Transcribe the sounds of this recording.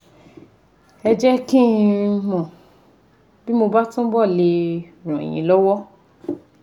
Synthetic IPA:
ɛ˧d͡ʒɛ˦ki˦˧mɔ̃˨ | bi˦mo˧ba˦tũ˦bɔ˦˨le˧ | ɾ̃ɔ̰̃˨j̃ḭ̃˨˦lɔ˦wɔ˦

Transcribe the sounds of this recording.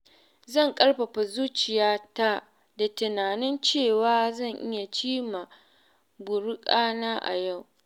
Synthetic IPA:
zɐ˦˨ŋkʼɐ˦ɽɸɐ˨ɸa˨zuː˦t͡ʃɪ˨jaː˦ta˦ | da˨tɪ˨naː˨nɪ˦nt͡ʃeː˦˨waː˦zɐ˦˨ŋʔɪ˦ja˨t͡ʃiː˦ma˨ | bʊ˨ɽʊ˦kʼaː˦naː˦ʔa̰˨ja˦˨w

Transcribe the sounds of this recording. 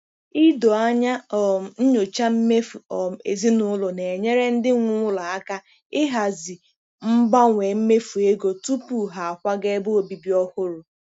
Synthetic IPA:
i˦do˨a˦ɲa˦ɔ˨n̩˦ɲo˨t͡ʃa˦m̩˦me˦fu˨ɔ˨ḛ˨zi˦nʊ˦lʊ˨ne˨ɲe˦ɾe˦n̩˦dɪ˦ŋʷʊ˦ŋʷʊ˦la˨a˦ka˦ | ɪ˦ɦa˨zi˨ | m̩˦ba˦ŋʷe˨m̩˦me˦fu˨e˦ɡo˨tu˦pu˨ɦa˨a˨kʷa˦ɡe˦bo˦o˨bi˨bi˦ɔ˦hʊ˦ɾʊ˨

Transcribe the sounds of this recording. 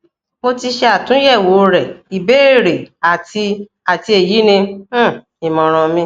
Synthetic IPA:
mo˧ti˧ʃɛ˧a˦˨tũ˨˦jɛ˦˨wo˨˦˧ɾɛ˨i˨be˨˦˨ɾe˨a˨ti˧ | a˨ti˧˦e˨ji˨˦nĩ˧˦˨ | i˨mɔ̃˨ɾ̃ã˧mĩ˧˦

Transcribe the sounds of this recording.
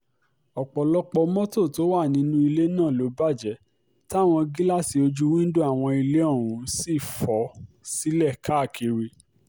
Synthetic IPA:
ɔ˨k͡pɔ˨lɔ˦k͡pɔ˧mɔ̃˦to˦˨to˨˦wa˦˨nĩ˨˦nũ˦i˧le˦nãː˦˨lo˨˦ba˦˨d͡ʒɛ˨˦ | ta˦˨w̃ɔ̃˧ɡi˦la˦˨si˨˧o˧d͡ʒu˦wĩ˦n̩˦du˦a˦˨w̃ɔ̃˧i˧le˦ɔ˦˨ɾ̃ũ˨˦si˦˨fɔ˨˦si˦lɛ˦˨ka˦˨kʰi˧ɾi˧

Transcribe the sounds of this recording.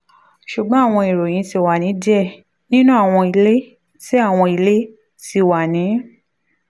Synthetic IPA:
ʃu˨ɡ͡bɔ̃˨˦a˦˨w̃ɔ̃˧i˨ɾo˨j̃ĩ˨˧˦ti˧˨wa˨nĩ˨˦d͡ʒɛ˦˨ | nĩ˦nũ˦a˦˨w̃ɔ̃˧i˧le˦ | ti˦a˦˨w̃ɔ̃˧i˧le˦ | ti˧wa˨nĩ˨˦

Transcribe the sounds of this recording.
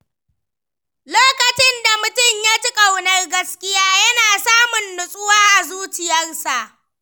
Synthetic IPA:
loː˦kɐ˨t͡ʃɪ˦nda˨mʊ˨tʊ˦˨ɲja˦tʊ˦kʼa˨wnɐ˦rɡɐ˦skʲʼɪ˦jaː˦jɐ˦naː˨saː˦mʊ˨nːʊ˨sʼʊ˦waː˦ʔa˨zuː˦t͡ʃɪ˨jɐ˦nsa˨ʔ

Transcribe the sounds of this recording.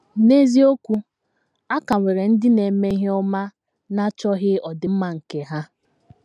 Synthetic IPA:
ne˦zi˦o˦kʷu˦ | a˦ka˨ŋʷe˨ɾe˨n̩˦dɪ˦ne˨me˦ɦɔ˦ma˦ | na˦t͡ʃɔ˦ɦɪ˦ɔ˨dɪ˨m̩˦ma˦˨ŋ̩˨ke˨ɦa˦

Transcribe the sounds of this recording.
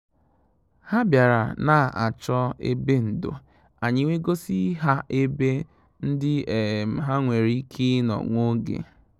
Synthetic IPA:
ha˦bja˨ɾa̰˨na˨ʔa̰˨t͡ʃɔ˦ḛ˦be˦n̩˨do̰˨ | a˨ɲɪ˦ŋʷe˦ɡo˦si˦ɦa˦ʔe˦be˦ | n̩˦dɪ˦e˨m̩˨ɦa˦ŋʷe˨ɾi˦kʰi˦nɔ̰˨ŋʷo˦ɡḛ˨

